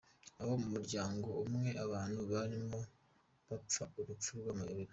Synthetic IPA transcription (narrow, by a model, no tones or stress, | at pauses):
aho̞mumuɾɟaːŋɡo̞umŋe̞ʔaβaːnhuβaɾimo̞ | βap͡fauɾut͡ʃuɾɡwamajoβiɾa